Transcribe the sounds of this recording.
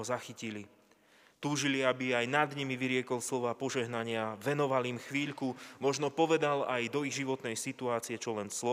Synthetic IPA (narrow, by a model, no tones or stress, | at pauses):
ɔzaxicili | t̪uːʒiliabiajnad̪ɲimiʋiɾɪɛkɔlslɔʋaːpɔʒɛɦnaɲɪaʋɛnɔʋalimxʋiːʎkumɔʒnɔpɔʋɛd̪alajd̪ɔiɣʒiʋɔt̪nɛjsit̪uaːt͡siɛt͡ʃɔlɛnslɔ